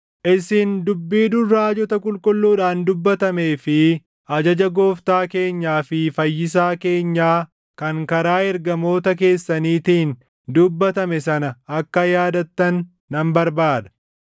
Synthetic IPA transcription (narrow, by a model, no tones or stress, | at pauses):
ʔɪsiːnd̪ʊbːiːd̪ʊrːaːd͡ʒɔt̪ɐkʼʊlkʼʊlːuːᶑaːnd̪ʊbːɐt̪ɐme̞ːfɪ | ɐd͡ʒɐd͡ʒɐɡo̞ːft̪aːke̞ːɲːaːfɪfɐjːɪs̬aːke̞ːɲːaː | kɐŋkɐɾaːɛɾɡɐmo̞ːt̪ɐk̬e̞ːsːɐniːt̪iːn | d̪ʊbːɐt̪ɐmɛsɐnɐɐkːɐjaːd̪ɐt̪ːɐnː | ɐmbɐɾbaːd̪ɐ̥